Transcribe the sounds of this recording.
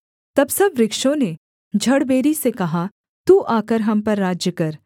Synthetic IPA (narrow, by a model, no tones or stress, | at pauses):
t̪ɐbsɐbɾɪkʃõne | d͡ʒʱɐɽbeːɾisekɐɦa | t̪uːʔaːkəɾɦɐmpɐɾːaːd͡ʒjəkɐɾ